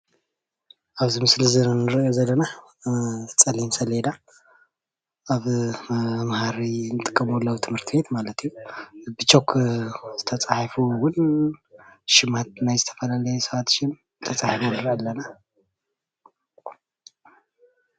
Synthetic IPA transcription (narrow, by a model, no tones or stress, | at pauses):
ʔaβzimɨsɨlzɨɾnɨɾɐjo̞zɐlːɐna | t͡sʼɐlimsɐled̪a | ʔaβ | mhaɾinɨt̪ʼɨkʼːɐmwlːɐwt̪ʰɨmhɨɾt̪ʰɨbe̞t̪malɐt̪ʰijːubɨt͡ʃʰʼo̞kʰz̥ɨt̪ʰɐt͡sʼaħfuwʊn | ʃɪmat̪̚najzɨt̪ʰɐ̥fɐlalɐjɛsɐβat̪ʃɪm | t̪ʰɐt͡sʼaħifonɨɾalːɐna